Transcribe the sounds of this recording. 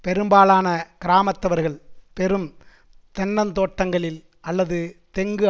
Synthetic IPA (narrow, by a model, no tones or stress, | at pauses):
pɛɾɯmbaːlaːnɐkɪɾaːmɐt̪ːɐʋɐɾɣɐɭpɛɾɯm | t̪ɛnːɐnt̪oːʈːɐŋɡɐɭɪl | ɐlːɐðɯt̪ɛŋɡɯ